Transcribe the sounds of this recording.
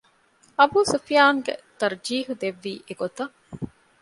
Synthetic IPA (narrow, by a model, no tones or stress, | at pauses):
ɐbuːsufijaːŋɡḛt̪ɐɾd͡ʒiːɦud̪eʋːiːʔeɡot̪ɐ